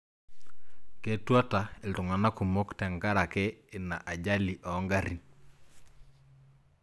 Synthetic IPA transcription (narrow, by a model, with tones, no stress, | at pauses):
ke˦˨twa˦ta˨e˨ltʊ˨ŋa˨na˦ku˨mo˦ktɛ˨ŋɡa˦ɾa˨kɛː˦˨na̰˨ʔa˨d͡ʒa˦li˨ʔɔ˨˦ŋɡa˦ɾi˨n